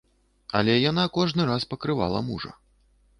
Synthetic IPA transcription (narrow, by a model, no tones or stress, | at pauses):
ɐ̰lʲɛjan̪akɔʐnɨɾaspɐkɾɨva̰lˠɐ̰muʐɐ̰